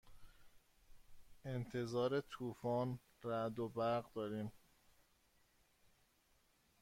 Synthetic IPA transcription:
e̞nt̪ʰe̞zɒːɾe̞t̪ʰuːfɒːn | ræd̪obæɾɣd̪ɒːɾiːm

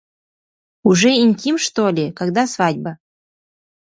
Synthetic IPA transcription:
uʐɛinʲtʲimʃt̪olʲekaɡd̪asvadʲbə

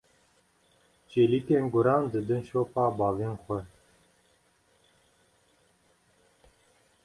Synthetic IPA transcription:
t͡ʃelikenɡʊɾɑnd̪əd̪ənʃopɑːbɑːvenxʷɛ

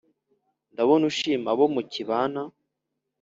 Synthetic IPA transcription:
ndaβonuʃiːmaβomuciβaːna

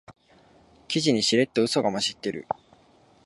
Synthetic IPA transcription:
kʲiʑiɲ̟iɕiɾe̞t̪ːoɯ̟so̞ɡamaɕit̪ːe̞ɾɯ̟̰

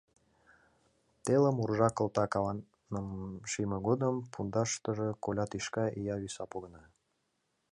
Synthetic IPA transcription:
t̪eləmurʒɑkə̆lt̪ɑkɑwɑn | əmʃimə̆ɣod̪əmpund̪ɑʃt̪ə̆ʒĕkolʲɑt̪iʃkɑʔijɑβisɑpoɣə̆nɑ

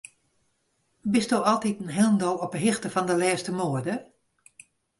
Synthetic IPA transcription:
bɪstdoːɔlˠtitənɦɪlˠn̩dɔlˠɔpəɦɪxtəfɔndəlɛːstəmoːədə

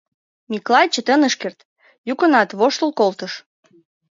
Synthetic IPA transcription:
miklɑjt͡ɕə̆t̪ənəʃkert̪ | jukə̆nɑt̪βoʃt̪əlˠkolˠt̪əʃ

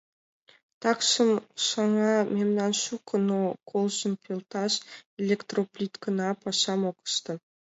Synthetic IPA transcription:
t̪ɑkʃə̆mʃɑŋɑmʲemnɑnʃukʰə̆nokʰolˠʒə̆npʰʲelˠt̪ɑʃelʲekt̪roplʲit̪kə̆nɑpɑʃɑmokə̥̆ʃt̪ɤ̆

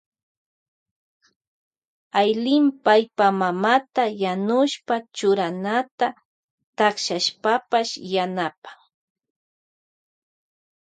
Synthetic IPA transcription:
ajlɪmpajpamamat̪ajanʊʃpat͡ʃʊɾanat̪a | t̪ɑχʃaʃpapaʃjanapḁŋ

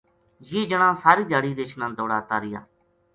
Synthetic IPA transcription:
jiːd͡ʒəɽãːsaːɾiːd̪ʱaːɽiːɾeːt͡ʃʰnãːd̪oːɽaːt̪aːɾɪja̰ː

